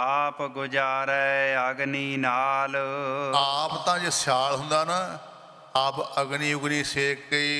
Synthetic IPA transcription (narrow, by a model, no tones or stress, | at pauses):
aːpɡʊd͡ʒaːɾɛəɡniːnaːlaːpt̪ãːd͡ʒesjaːlɦʊnd̪aːna | aːpəɡniːʊɡniːseːkːəiː